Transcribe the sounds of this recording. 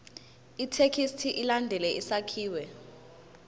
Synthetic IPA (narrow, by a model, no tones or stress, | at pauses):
itʰekʰistʰiʔilandʱɛlɛʔisakʰiːwɛ